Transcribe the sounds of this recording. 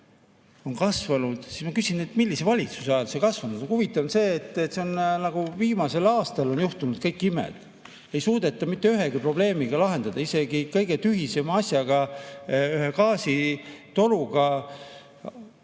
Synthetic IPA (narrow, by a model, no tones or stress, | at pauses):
o̞nkɑsvɑnud̪̥si̥smɑkysinet̪ːˑmilːise̞vɑlʲit̪su̥seɑjlsekɑsvɑnud̪̥onhuvit̪ːˑɑnse̞ːt̪ˑːet̪ːseonnɑɡ̥uviːmɑse̞lɑːst̪ɑlo̞njuht̪unud̪̥kɤjkːˑimḛd̪̥ | e̞jsuːd̪̥et̪ːˑɑmit̪ːe̞yɦe̞ɡ̥ipro̞b̥le̞ːmiɡ̥ɑlɑɦe̞nd̪̥ɑd̪̥ɑise̞ɡikɤ̞jɡ̥e̞t̪yɦise̞mɑɑsʲjɑɡ̥ɑ | yɦekɑːsit̪o̞luɡɑ